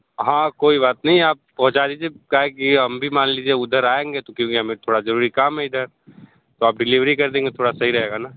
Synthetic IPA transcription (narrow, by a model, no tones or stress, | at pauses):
ɦãːkoːiβaːt̪nɐɦĩaːp̚pɐɦʊt͡ʃaːd̪iːd͡ʒiekaɦekiɦɐmbʱimaːnliːd͡ʒieʊd̪ʱəɾaːẽːŋɡet̪okjõːkiɦɐmẽt̪ʰoːɽazɐɾuːɾikaːmɦɛɪd̪ʱəɾ | t̪oaːp̚ɖɪliʋɾikɐɾd̪ẽːŋɡet̪ʰoːɽasɐɦiɾɐɦeːɡanaː